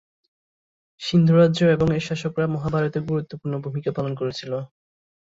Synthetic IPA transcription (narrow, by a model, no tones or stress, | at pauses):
ʃind̪ʱuɾaːʑoeboŋeʃaʃokɾamɔɦabʱaɾot̪eɡuɾut̪ːopuɾnobʱumikapalonkoɾet͡ɕʰilo